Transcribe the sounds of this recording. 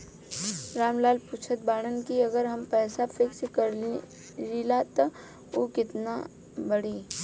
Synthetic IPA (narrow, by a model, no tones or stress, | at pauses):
ɾaːmlaːlpuːt͡ʃʰət̪̚baːɽ̃ənkiɐɡəɾɦɐmpɛːsafʰɪkskɐɾ | lilat̪ɐ | oːkɪt̪na | bɐɽiː